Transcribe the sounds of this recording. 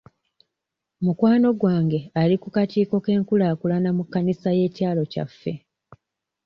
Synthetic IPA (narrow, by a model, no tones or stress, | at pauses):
mukwaːno̞ɡwaːŋɡe̞alikukatiːko̞ke̞ːŋkulaːkulanamukːanisaje̞ːtjaːlo̞ca̰fːe̞